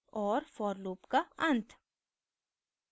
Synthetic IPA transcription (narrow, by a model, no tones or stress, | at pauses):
ʔoːɾfɔɾluːpkɑʔɑnt̪